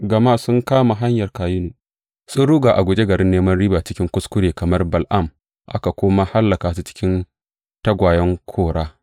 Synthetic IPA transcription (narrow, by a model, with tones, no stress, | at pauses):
ɡɐ˨maː˦sʊ˦ŋkaː˦ma˨ɦa˦ɲjɐ˨rkaː˨jɪ˦nuː˨ | sʊ˦nɽu˦ɡaː˨ʔa˨ɡʷʊ˨d͡ʒe˦ɡɐ˨ɾɪ˦nːeː˦mɐ˦nɽiː˦baː˨t͡ʃɪ˦kʲɪ˦ŋkʷʊ˦skʷʊ˦ɾeː˨kɐ˨mɐ˦rbɐ˨lʔa˦˨m | ʔa̰˦ka˨kʷoː˦ma˦ha˦lːɐ˨kaː˨su˦t͡ʃɪ̥˦kʲɪ˦n | tɐ˦ɡʷaː˨jɐ˦ŋkʷʰoː˦ɽaː˦